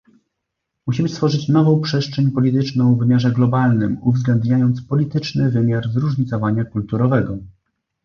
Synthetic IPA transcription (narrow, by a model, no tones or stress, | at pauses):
muɕimɘst̪fɔʐɘt͡ɕnɔvɔ̃w̃pʂɛstʂɛɲpɔlʲit̪ɘt͡ʂnɔ̃w̃vːɘmʲjaʐɛɡlɔbalnɘmuvzɡlɛnd̪ɲajɔnt̪spɔlʲit̪ɘt͡ʂnɘvɘmʲjaɾzɾuʐɲit̪sɔvaɲakult̪uɾɔvɛɡɔ